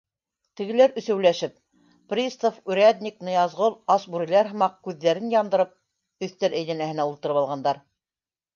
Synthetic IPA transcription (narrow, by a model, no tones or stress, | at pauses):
t̪ɘ̆ɡɘ̆læɾʔɵ̆θɘ̆wlæʃɘp̚ | prʲist̪ofʉɾʲæd̪ʲnʲiknɤ̆jɑzʁolˠɑsbuɾʲilæɾɦɤ̆mɑq̚kʉðːæɾɘnjɑnd̪ɤ̆ɾɤp̚ | ɵ̆θt̪æɾæjðænæhɘ̆næulˠt̪ɤ̆ɾɤpɑlˠʁɑnd̪ɑɾ